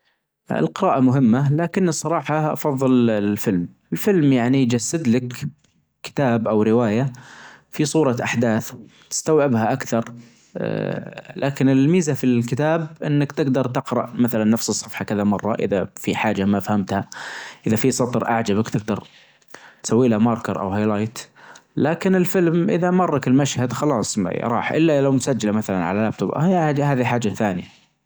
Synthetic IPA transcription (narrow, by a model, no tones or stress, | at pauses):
ɪ̰lqɨɾaːʔamʊɦɪmːalaːkɪnːɨsˤːɑɾˤɑːħɑʔɑ̰fɑðˤːɨllfɪlm | ɪlfɪlmjaʕnid͡ʒasːad̪lak | kɪ̥t̪aːbʔawɾɪwaːja | fisˤuːɾˤɑʔaħd̪aːθt̪ɪ̥st̪awʕɪbhaʔakθɑɾˤ | lʔaːkɪnɪlmiːzafilkɪt̪aːb̚ʔɪnːakt̪ɪɡd̪ɑɾˤt̪ɪqɾɑ̰ʔmaθalanːafsɨsˤːɑfħɑkɪðamɑrˤːɑ̰ʔɪ̰ðafiħaːd͡ʒamafahamt̪haʔɪðafisˤɑt̪ˤɾʔa̰ʕd͡ʒabakt̪ɪɡd̪ɑɾˤ | t̪sawːiːlhamɑɾkɑɾˤʔa̰wɦajlaːjt̪laːkɪnɪlfɪlmʔɪðamɑrˤːɑkɪlmaʃhad̪xɑlɑːsˤɾˤɑ̰ːħʔɪ̰lːalawmʊsad͡ʒːalamaθalanʕalalab̚t̪ʊbʔhaːðiħaːd͡ʒːaθaːnɪja